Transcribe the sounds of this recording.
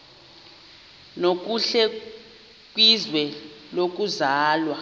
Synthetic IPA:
nok̬ʼuɬɛ | k̬ʼwizwɛ | lok̬uzaːlwa

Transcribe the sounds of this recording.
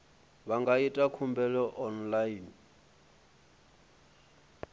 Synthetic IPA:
βaŋɡaitʼakʰumbɛlɔʔɔnlain

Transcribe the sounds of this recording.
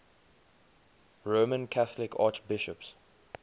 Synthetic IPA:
ɹoːmə̃nkʰaθlɪkʰa̰ːt͡ʃbɪʃəps

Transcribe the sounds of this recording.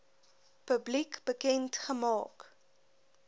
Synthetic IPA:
pəblikb̥əkɛntχəmɑːk

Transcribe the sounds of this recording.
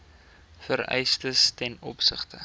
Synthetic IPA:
fəɾɛ̰jstəstɛnɔpsəχtə

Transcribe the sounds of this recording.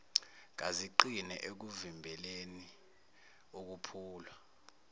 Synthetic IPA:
k̬aziǃinɛ̰ʔek̬uvimbʱɛleni | uk̬upʰuːlwa

